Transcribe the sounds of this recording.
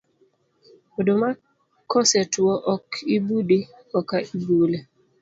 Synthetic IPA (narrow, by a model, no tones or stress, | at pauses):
odoma | kɔsɛtwɔʔɔkʰibudi | kɔkaibule